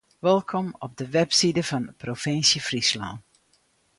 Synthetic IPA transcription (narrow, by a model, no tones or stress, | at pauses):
ʋɛlˠkʰɔmɔb̚dəʋɛpsidəvɑnprofɪnsjəfrisla̰ːn